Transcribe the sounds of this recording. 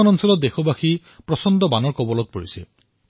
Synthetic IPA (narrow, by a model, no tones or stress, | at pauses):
ɔnɔnsɔlɔt̪̚dexobaxi | pɹɔsɔnd̪ɔbanɔɹkɔbɔlɔt̚poɹisɛ